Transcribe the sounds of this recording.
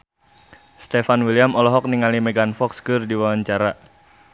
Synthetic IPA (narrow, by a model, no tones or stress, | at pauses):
st̪efanwiliamɔlɔɦɔk̚niŋalimɛɡanfɔkskɨrdiwawaɲt͡ʃaɾa